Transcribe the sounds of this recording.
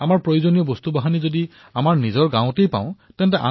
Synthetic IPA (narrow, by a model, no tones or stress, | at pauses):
amaɹpɹojozonijɔbost̪ubaɦanizodi | amaɹnizɔɹɡãʊ̃tejpa̰ʊ̃tɛntɛʔa̰